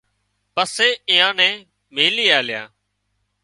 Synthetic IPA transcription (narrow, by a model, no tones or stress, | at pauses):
pəseːɪːãːnɛ̃ː | meːliːaːljã̰ː